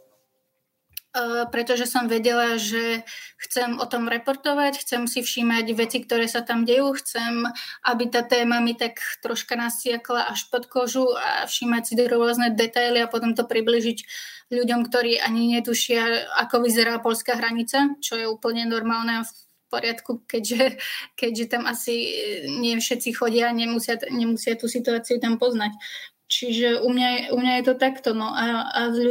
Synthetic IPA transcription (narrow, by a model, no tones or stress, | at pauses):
pɾɛt̪ɔʒɛsɔmʋɛɟɛlaʒɛxt͡sɛmɔt̪ɔmɾɛpɔɾt̪ɔʋacxt͡sɛmsifʃiːmaɟʋɛt͡sikt̪ɔɾɛːsat̪amɟɛjuːxt͡sɛmʔabit̪aːt̪ɛːmamit̪akt̪ɾɔʃkanasɪaklaʔaʃpɔt̪kɔʒua̰fʃiːmacsid̪ɔɾʊɔznɛd̪ɛt̪ajliapɔt̪ɔmt̪ɔpɾibliːʒiɟʎuɟɔmkt̪ɔɾiːʔaɲiɲɛt̪uʃɪaakɔʋizɛɾaːpɔʎskaːɦɾaɲit͡sat͡ʃɔjɛuːpl̩ɲɛnɔɾmaːlnɛf | pɔɾɪat̪kukɛɟʒɛkɛɟʒɛt̪amasiɲɪɛfʃɛt̪t͡sixɔɟɪaːɲɛmusɪaɲɛmusɪat̪usit̪uaːt͡siut̪ampɔznac | t͡ʃiʒɛʔumɲaɛumɲajɛt̪ɔt̪akt̪ɔnɔʔaazʎ